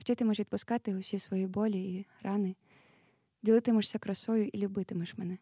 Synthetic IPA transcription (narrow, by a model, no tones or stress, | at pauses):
wt͡ʃʲɪt̪ɪmɔʃʋʲid̪pʊskɑt̪ɪʊsʲisʋɔjibɔlʲiiɾɑnɪ | dʲilˠɪt̪ɪmɔʃsʲɐkɾɐsɔjʊʔilʲʊbɪt̪ɪmɔʃmɛnɛ